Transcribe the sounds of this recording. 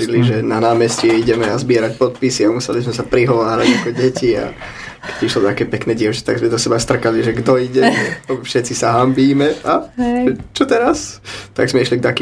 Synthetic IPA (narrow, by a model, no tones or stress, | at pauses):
iliʒɛnanaːmɛscijɛiɟɛmɛazbɪɛɾac̚pɔt̪̚pisiamusɛlizmɛsapɾiɦɔʋaːɾaɟakɔɟɛcia̰ | kɛ̥ɟiʃlɔt̪akɛːpɛknɛːɟɪɛʊt͡ʃḁt̪aɡzmɛd̪ɔsɛbast̪r̩kaliʒɛɡd̪ɔiɟɛfʃɛt͡sisaɦambiːmɛaʒɛt͡ʃɔt̪ɛɾast̪a̰ɡzmɛiʃlik̚t̪aki